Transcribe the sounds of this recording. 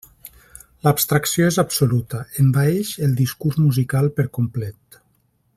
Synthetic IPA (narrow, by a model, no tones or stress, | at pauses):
lapst̪ɾaksioezabsolut̪əembaeʃelˠd̪iskuɾzmuzikalˠpəɾkomplɛt̪